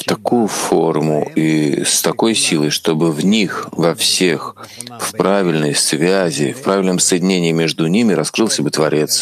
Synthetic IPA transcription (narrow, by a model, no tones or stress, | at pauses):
ft̪ɐkujʊfo̞rmʊ̰ist̪ɐko̞jsʲilˠəjʂt̪o̞bɨvnʲixvɐfsʲe̞x | fpɾavʲɪlʲnəjsvʲæzʲɪ̰fpɾavʲɪlʲnəmsəjɪdʲɪnʲenʲɪːmʲe̞ʐd̪ʊnʲimʲɪɾɐskɾɨlˠsʲəbɨt̪vɐɾʲʔe̞t̪s